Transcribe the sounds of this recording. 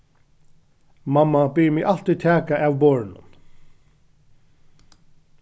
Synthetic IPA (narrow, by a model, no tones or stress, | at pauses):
mamːabɪɹmɪʔal̥t̪it̪ʰæːkaʔavboːɹɪnʊ̰n